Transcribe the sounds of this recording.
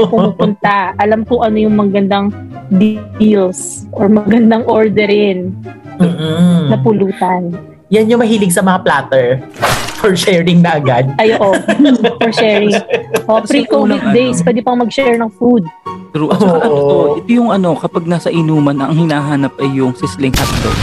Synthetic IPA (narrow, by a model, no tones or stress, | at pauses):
pʊmupʊnt̪aʔɐlamkʊʔɐnojʊŋmɐɡɐnd̪aŋ | d̪ilsʔoɹmɐɡɐnd̪aŋʔoɹd̪ɛɾɪn̩ː | hnɐpʊluːt̪ɐn | janjomɐɦiːlɪɡsɐmɐŋaplaːt̪ɛɹfɔɹʃɛːɹɪŋnɐɐɡad̪̚ʔɐjoːʔofɔɹʃɛɾɪŋʔoʔpɾikomɪk̚d̪ɛjspwɛːd̪ɪpɐŋmɐɡ̚ʃɛɹnɐŋfud̪̚t̪ɾuʔ̪ʔɐnooʔɛt̪ojʊŋɐno̞kɐpaɡ̚naːsɐʔɪnuːmɐnɐŋhɪnaːɦaːnɐp̚ʔɐjːʊŋsɪslɪŋhat̪lo̰